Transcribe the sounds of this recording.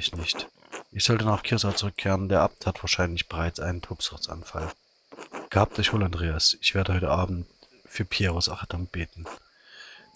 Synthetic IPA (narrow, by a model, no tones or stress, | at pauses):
ɪçnɪçt | ʔɪçz̥ɔltənaːχkʰɪɐsat͡sʊʁʏkʰːeːʁəndeːɐʔap̚thatv̥aːɐʃaɪnlɪçb̥əʁaɪt͡sʔa̰ɪnəntʰoːpsʊʁt͡sʔa̰nfa̰l | ɡ̥haːp̚d̥oç̥oːlandʁeːasɪçv̥eːɐdəhɔʏtəʔaːbm̩t | fyːɐpʰjeːʁosaχad̥amb̥eːtn̩